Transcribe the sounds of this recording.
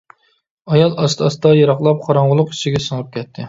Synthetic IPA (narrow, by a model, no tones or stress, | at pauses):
ɑjɑlˠɑst̪ʰɑst̪ɑjɑɾɑχlˠɑp̚qʰɑɾɑŋʁʊlˠʊqi̥ʃiɡʲɛsəŋɨp̚kʲɛt̪ʰːɪ